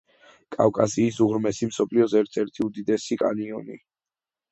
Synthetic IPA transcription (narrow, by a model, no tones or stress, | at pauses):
kʼa̰fkʼasiːsuɣɾmɛsimsɔpʰliɔzɛɾt̪sʰɛɾt̪ʰiud̪id̪ɛsikʼa̰niɔnḭ